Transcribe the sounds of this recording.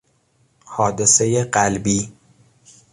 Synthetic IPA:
hɒːd̪esejeɢælbiː

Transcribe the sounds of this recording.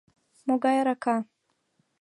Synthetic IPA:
moɡajaɾaka

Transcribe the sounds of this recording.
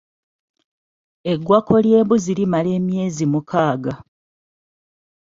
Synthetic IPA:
e̞ɡwakʰo̞lje̞ːβuzilimale̞ːmje̞ːzimukʰaːɡa

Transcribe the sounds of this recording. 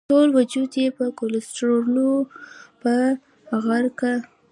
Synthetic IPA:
ʈolwad͡ʒud̪jepəkolɪsʈɾoɾnopə | aɣaɾka

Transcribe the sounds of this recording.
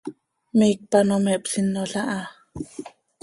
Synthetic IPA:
mik̚panomeʔpsinːoɬaʔa

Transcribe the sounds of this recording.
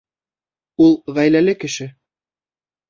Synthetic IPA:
ulˠʁæjlælɘkɘ̆ʃɘ

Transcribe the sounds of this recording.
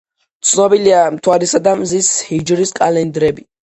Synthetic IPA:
t̪sʰnɔbiliamt̪ʰwaɾisad̪amzishid͡ʒɾiskʼalɛnd̪ɾɛbi

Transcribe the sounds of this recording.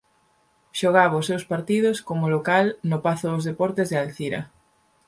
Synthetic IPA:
ʃoɣ̞aβʊsewspaɾt̪iðʊskomʊlokalnʊpaθʊðʊzðepɔɾt̪ezðɪalθiɾɐ̰

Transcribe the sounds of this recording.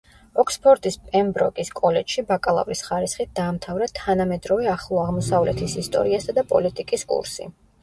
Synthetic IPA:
ɔkʰspʰɔɾt̪ʼispʼɛmbɾɔ̰kʼiskʼɔlɛt͡ʃʃibakʼalˠa̰vɾisχaɾisχit̪̚ʰd̪̥aːmt̪ʰavɾat̪ʰanamɛd̪ɾɔvɛaχlˠɔaʁmɔsavlɛt̪ʰisist̪ʼɔ̰ɾiasad̪apʼɔlit̪ʼikʼiskʼṵɾsḭ

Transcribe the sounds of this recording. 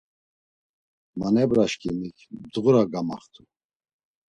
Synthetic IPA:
manɛbɾaʃkʰimikʰbd̪ʁuɾaɡama̰χt̪ʰu

